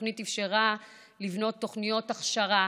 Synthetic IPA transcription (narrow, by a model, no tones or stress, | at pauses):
nitifʃeʁa | livno̞t̪ːo̞χnijo̞taχʃaʁa